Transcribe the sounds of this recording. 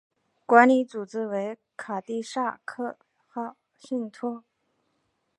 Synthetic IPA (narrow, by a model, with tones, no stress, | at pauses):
kwa˧˥nli˧˥t͡su˨˩t͡sɻ̩˥we˧˥ɪ | kʰa˨˩t̪i˥˧ʂa˥˧kʰɤ˥˩ | xɑ˥˩ʊ | ɕi˥˩ŋt̪ʰɔ˥